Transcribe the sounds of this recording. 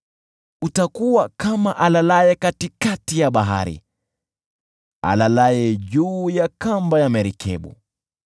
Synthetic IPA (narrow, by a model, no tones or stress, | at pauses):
utakuwakamaʔalalajɛkatikatijaɓaɦa̰ɾḭ | a̰lalajɛʄuːjakambajamɛɾikʰɛ̰ɓṵ